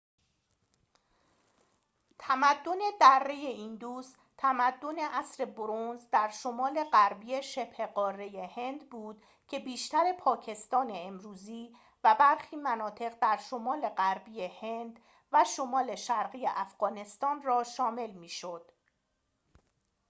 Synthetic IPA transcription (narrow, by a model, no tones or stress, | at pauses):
t̪ʰæmæd̪ːo̞ne̞d̪ærːeje̞iːnd̪uːs | t̪ʰæmæd̪ːo̞ne̞ʔæsɾe̞boɾonzd̪æɾʃo̞mɒːle̞ɣæɾbijeʃeb̥he̞ɢɒːrːe̞je̞he̞nd̪buːd̪̥ | cʰe̞biːʃt̪æɾe̞pʰɒːcʰe̞st̪ɒːne̞ːmɾuːziː | væbæɾxiːmænɒːt̪ʰe̞ɣd̪æɾʃo̞mɒːle̞ɢæɾbijehe̞nd̪ | væʃo̞mɒːle̞ʃæɾɢijeʔæfɢ̥ɒːne̞st̪ɒːnrɒːʃɒːme̞lmiːʃo̞d̪̥